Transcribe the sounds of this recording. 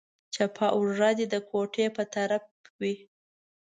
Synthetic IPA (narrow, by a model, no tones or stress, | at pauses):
t͡ʃapʰɑʔuʐɑd̪ed̪əkʰoʈʰepət̪aɾapwi